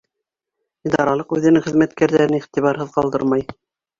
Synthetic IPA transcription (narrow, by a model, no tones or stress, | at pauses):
id̪ɑɾɑlˠɤqʉðɘ̆nɘŋχɘ̆ðmæt̪kæɾðæɾɘniχt̪iβɑɾɦɤðqɑlˠd̪ɤ̰ɾmɑj